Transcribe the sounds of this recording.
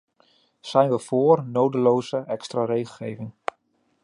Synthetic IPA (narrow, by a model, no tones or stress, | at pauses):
sɛjnʋəv̥oːərnowdəloːzəʔɛkstrarejɣəlˠχeːvɪŋ